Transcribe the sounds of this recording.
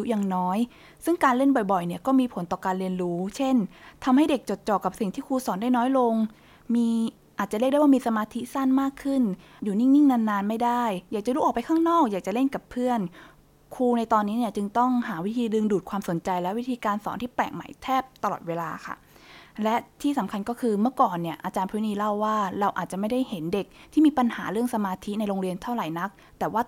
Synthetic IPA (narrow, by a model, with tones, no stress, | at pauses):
ju˦˥jaː˨˩ŋnɔː˦˥j | sɯ˥˩ŋkaː˧nle˥˩nbɔ˨˩jbɔ˨˩jni˥˩kɔː˥˩miː˧pʰo˩˦nt̪ɔː˨˩kaː˧nli˧ənɾuː˦˥t͡ɕʰe˥˩nt̪ʰa˧mha˥˩jde˨˩k̚t͡ɕo˨˩t̪̚t͡ɕɔː˨˩kːa˨˩p̚si˨˩ŋt̪ʰiː˥˩kʰuː˧sɔː˩˦nda˥˩jnɔː˦˥jlo˧ŋ | miː˧ | ʔa˨˩t͡ɕa˨˩ɾi˥˩da˥˩waː˥˩miː˧sa˧maː˧t̪ʰi˦˥sa˥˩nmaː˥˩kʰːɯ˥˩n | juː˨˩ni˥˩ŋi˥˩ŋna˧nːaː˧nma˥˩jda˥˩jjaː˨˩k̚t͡ɕa˨˩ɾuː˦˥ʔ̚ːpa˧jkʰaː˥˩ŋnɔː˥˩k̚jaː˨˩k̚t͡ɕa˨˩le˥˩nka˨˩pʰːɯ˥˩ən | kʰuː˧na˧jt̪ɔː˧nːiː˦˥ni˥˩ət͡ɕɯ˧ŋt̪ɔ˥˩ŋɦaː˩˦wi˦˥t̪ʰiː˧dɯ˧ŋduː˨˩kʰwaː˧mso˩˦nt͡ɕa˧jlɛ˦˥wi˦˥t̪ʰiː˧kaː˧nsɔ̰ː˩˦nt̪ʰiː˥˩pɛ̰ː˨˩ŋma̰˩˦jt̪ʰɛː˥˩p̚t̪a˧lɔ̰˨˩t̪̚weː˧laː˧kʰa̰˥˩lɛ˦˥t̪ʰiː˥˩sa˨˩˦mkʰa˧nkɔː˥˩kʰɯː˧mɯ˥˩əkɔː˨˩nːi˥˩əʔa˧t͡ɕaː˧npʰɯː˦˥niː˧la˥˩wːaː˥˩ɾa˧wʔa̰ː˨˩t̪̚t͡ɕa˨˩ma˥˩jda˥˩jhe˩˦nde˨˩k̚t̪ʰiː˥˩miː˧pa˧nha̰ː˩˦ɾɯ˥˩əŋsa˧maː˧t̪ʰi˦˥na˧jɾoː˧ŋɾi˧ənt̪ʰa˥˩wɾa˨˩˦jna˦˥k̚t̪ɛː˨˩waː˥˩